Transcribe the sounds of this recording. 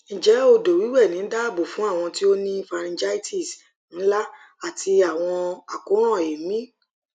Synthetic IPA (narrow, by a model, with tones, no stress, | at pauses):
ñ̩˨d͡ʒɛ˨˦o˧do˨wi˨˦wɛ˦˨nĩ˨˦da˦˨bo˨fũ˨˦a˦˨w̃ɔ̃˧ti˦o˦nĩ˦fa˧ɾ̃ĩ˧d͡ʒa˦i˦ti˦˨s | n̩˨˦la˦ | a˦˨ti˧a˨w̃ɔ̃˧a˨kũ˨˦ɾ̃ɔ̃˦˨e˨˦mĩ˦